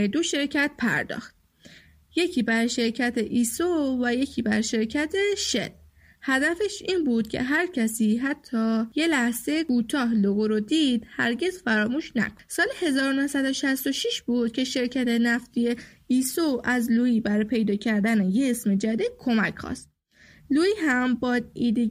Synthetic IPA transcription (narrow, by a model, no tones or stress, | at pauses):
d̪o̞ʃe̞ɾcʰæt̪̚pʰæ̰ɾd̪ɒ̰xt̪̚ | je̞cʰiːbæɾʃe̞ɾcʰæt̪ʰeʔiːsovæje̞cʰiːbæɾʃe̞ɾcʰæt̪ʰe̞ʃḛl | hæd̪æfe̞ʃiːnbuːd̪̥cʰe̞̰ɦæɾcʰæsiːɦæt̪ʰːɒːje̞læhz̥ejekuːt̪ʰɒːɦloɣoɾod̪iːd̪̥hæ̰ɾɟe̞zfæɾɒːmuːʃnæ̰kʰo̥nsɒːlehe̞zɒːɾonohsæd̪o̞ʃæst̪o̞ʃiʃbuːd̪̥cʰe̞ʃe̞ɾcʰæt̪ʰe̞næft̪ije | iːsoʔæzluːjiːbæɾɒjpʰe̞jd̪ɒːcʰæɾd̪æne̞jesme̞d͡ʒæd̪iːd̪̥̚kʰo̞mæcʰxɒ̰st̪̚ | luːjiɦæmbɒːd̪̚iːd̪e